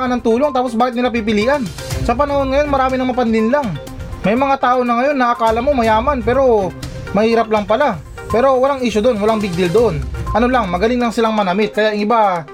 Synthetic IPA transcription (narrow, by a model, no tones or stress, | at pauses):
ŋɐnɐŋt̪uːlo̞ŋt̪aːposbaːkɪt̪nɪlap̬ip̬ɪliːʔan | sɐpɐnɐho̞nŋɐjo̞nmɐɾaːmɪnɐŋmɐpɐnlɪnlaŋ | mɐjmɐŋat̪aːʔo̞nɐŋɐjo̞nːɐʔɐkaːlɐmo̞mɐjaːmanpɛːɾo̞ | mɐhiːɾɐp̚laŋpɐla | pɛːɾo̞wɐlaŋʔiːʃod̪o̞nwɐlaŋbɪɡ̚d̪ɪld̪oʔonʔɐno̞laŋmɐɡɐlɪŋlaŋsɪlaŋmɐnɐmɪt̪̚kɐjaʔɪŋɪba